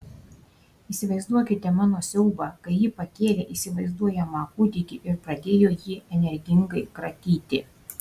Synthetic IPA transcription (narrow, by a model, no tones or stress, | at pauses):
iːsʲɪʋɐɪzd̪uɔkʲɪt̪ʲɛmɑːnoːsʲɛʊbɑːkɐɪjiːpɐkʲeːlʲeːʔiːsʲɪʋɐɪzd̪uɔjɛmɐkʊt̪ʲɪkʲɪʔɪɾpɾɐd̪ʲeːjoːjiːɛnʲɛɾʲɡʲɪŋɡɐɪkɾɐt̪ʲiːt̪ʲɪ